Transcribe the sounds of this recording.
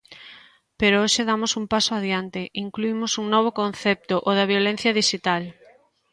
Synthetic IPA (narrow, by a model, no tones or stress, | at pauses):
peɾooʃeðamosumpasoaðjant̪ɪʔiŋkluimʊsuŋnɔβ̞okonθɛp̚t̪oʔoðɐβjolẽn̟θjɐðiʃit̪al